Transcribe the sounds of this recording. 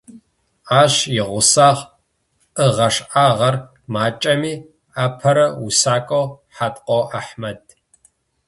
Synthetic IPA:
aːɕjɪʁʷʊsaːʁ | ʔəʁɐʂaːʁɐr | maːt͡ʃʼɐmiː | aːpʰɐɾɐwusaːkʷʼowħatʼqʷʼowʔaħmɐd̚

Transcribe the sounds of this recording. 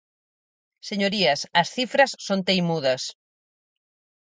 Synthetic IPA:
seɲoɾiɐsɐsθifɾɐsːont̪ejmuðɐs

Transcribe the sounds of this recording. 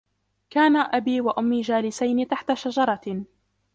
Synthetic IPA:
kaːnaʔabiːwaʔʊmːiːd͡ʒaːlɪsajnɪt̪aħt̪aʃad͡ʒɑɾˤɑ

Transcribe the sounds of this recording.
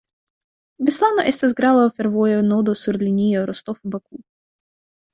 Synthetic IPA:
bʲɪslˠanɔʔɛst̪ɐzɡɾalˠɔfʲɛɾvɔjɔnɔd̪ɔsuɾlʲinʲijɔɾɔst̪ɔfubɐku

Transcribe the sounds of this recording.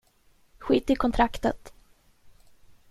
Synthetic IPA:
ɧiːt̪ːɪkʰɔnt̪ʰɾakt̪ə̰t̪

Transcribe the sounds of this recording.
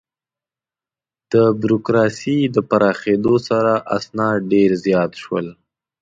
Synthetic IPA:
d̪̥əbjuɾokɾɑsid̪əpaɾɑxed̪osaɾaʔa̰snɑɖeɾzjɑt̪ʃwə̰l

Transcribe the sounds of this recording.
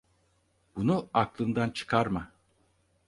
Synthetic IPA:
b̥unuaklˠɯnd̪ant͡ʃʰɯ̥kʰaɾma

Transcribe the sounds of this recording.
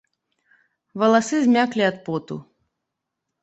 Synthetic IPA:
vɐlˠasɨzʲmʲaklʲiat̪pɔt̪ṵ

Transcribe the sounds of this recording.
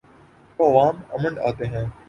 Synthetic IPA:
oɐʋaːməməɳɖa̰ːt̪eːɦẽː

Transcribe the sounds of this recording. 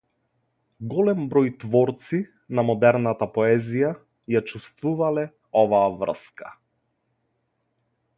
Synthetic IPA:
ɡɔlɛmbɾɔjt̪vɔɾt̪si | namɔd̪ɛɾnat̪apɔɛzija | jat͡ʃust̪vuvalɛ | ɔvaːvr̩̰skḁ̰

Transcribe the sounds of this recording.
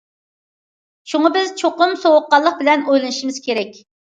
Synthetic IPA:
ʃuŋɑbɪzt͡ʃʰoqʊmsowʊqːɑlˠːəq̚bɪlɛnojlˠɨnɨʃimɪz̥kʲʰeɾɛkʲ

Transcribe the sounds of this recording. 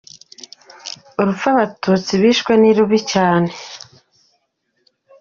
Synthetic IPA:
uɾufaβatuːt͡siβiːʃkwe̞niɾuβicaːne̞

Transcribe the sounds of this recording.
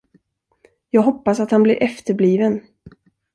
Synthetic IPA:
jɑːɡɦɔpːasat̪hanblɪ̰ɾʔɛft̪əɾbliːvən

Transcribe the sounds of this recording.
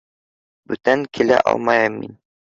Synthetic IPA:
bɵt̪æŋkʰilæ̰ʔɒ̰lˠmɑjɤmːin

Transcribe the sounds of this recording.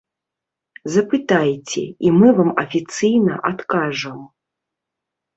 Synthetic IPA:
zɐpɨt̪ajt͡sʲɛ̰imɨvamɐfʲit̪sɨjnɐʔat̪kaʐɐm

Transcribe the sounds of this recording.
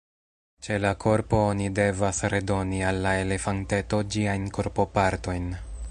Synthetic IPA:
t͡ʃe̞lakʰo̞ɾpo̞onide̞vasɾe̞do̞nialːae̞le̞fante̞to̞d͡ʒiajnko̞ɾpo̞paɾto̞jn

